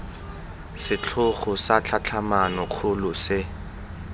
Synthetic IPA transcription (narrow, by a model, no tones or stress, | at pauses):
sɪt͡ɬʰʊχʊsat͡ɬʰat͡ɬʰamanɔk͡xʰʊlʊsɪ